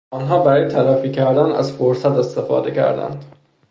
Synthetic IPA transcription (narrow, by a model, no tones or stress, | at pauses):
ɒːnɦɒːbæɾɒːjet̪ʰælæfiːcʰæɾd̪ænæ̰zfoɾsæt̪e̞st̪e̞fɒ̰ːd̪e̞cʰæ̰ɾd̪æ̰nd̪̥